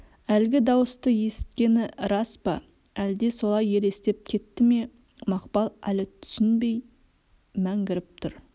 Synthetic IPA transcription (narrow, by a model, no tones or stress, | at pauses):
ælɡʲɪd̪ɑwəst̪əje̞sɪ̥t̪̚kʲe̞nɪɾɑspɑ | æld̪e̞so̞lˠɑje̞le̞st̪e̞p̚kʲʰe̞t̪ːɪme̞ | mɑqpɑlˠæ̰lɪt̪ʰʏ̥sɪnbe̞j | mæŋɡʲɪɾɪp̚t̪ʰʊɾ